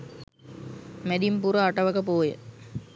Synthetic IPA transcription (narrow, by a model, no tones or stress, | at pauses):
mæd̪impuɾəaʈəʋəkəp̬oːjə̰